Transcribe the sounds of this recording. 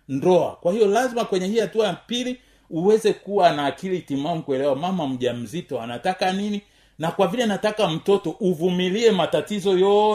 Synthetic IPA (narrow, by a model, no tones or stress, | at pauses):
ndɔa̰kwahijɔlazimakwɛɲɛhihatuajapili | uwɛzɛkuwanaːkilitimamukuɛlɛwamamam̩ʄam̩zitɔa̰natakanini | nakwavilɛnatakam̩tɔtɔʔuvumiliɛmatatizɔjɔ